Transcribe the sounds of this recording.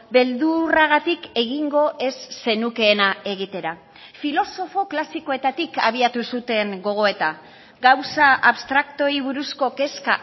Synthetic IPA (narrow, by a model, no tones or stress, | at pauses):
be̞ld̪uraɣat̪ike̞ɣiŋɡo̞ʔe̞sːe̞nuke̞ːnae̞ɣ̞it̪e̞ɾa | filo̞so̞fo̞klasiko̞e̞t̪at̪ika̰β̞iat̪usut̪e̞ŋɡo̞ɣ̞o̞e̞t̪a | ɡawsaʔaβst̪ɾakt̪o̞iβ̞uɾusko̞ke̞ska